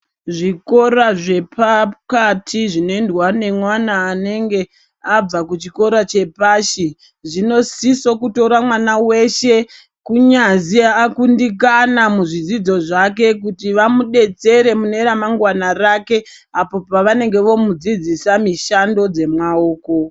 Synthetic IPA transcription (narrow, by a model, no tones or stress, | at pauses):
ʐiko̞ɾaʐe̞pakatʰiʐinoendwane̞mwanaːne̞ŋɡe̞ | ab͡vakut͡ʃiko̞ɾat͡ʃe̞paːʃi | ʐino̞siso̞kuto̞ɾamwanawe̞ʃe̞ | kuɲaziːkundik̬anamuʐid͡zid͡zo̞ʐak̬e̞k̬utiʋamuɗe̞t͡se̞ɾe̞mune̞ɾamaŋɡwanarake̞ | apo̞paʋane̞ŋɡe̞ʋo̞mud͡zid͡zisamiʃando̞d͡ze̞mwao̞ːko̞